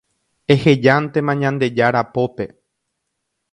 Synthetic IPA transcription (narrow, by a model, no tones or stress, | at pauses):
e̞he̞d͡ʒant̪e̞mãɲãnd̪e̞d͡ʒaɾapo̞pe̞